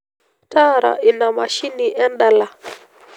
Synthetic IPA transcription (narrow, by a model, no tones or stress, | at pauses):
taːɾa̰ʔinamaʃiniʔɛnɗala